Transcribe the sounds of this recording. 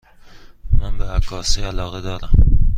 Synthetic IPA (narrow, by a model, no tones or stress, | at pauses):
mænbeækːɒːseælɒːɣed̪ɒːɾæm